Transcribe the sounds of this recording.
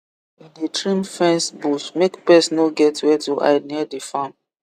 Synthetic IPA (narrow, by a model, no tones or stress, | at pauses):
ĩndetɹĩmfɛ̃nsbusmekpɛsnɔɡɛtwɛtuʔa̰ɪdniɛdefãm